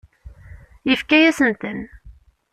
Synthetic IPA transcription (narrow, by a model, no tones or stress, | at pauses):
jəfkæjæsənt̪ən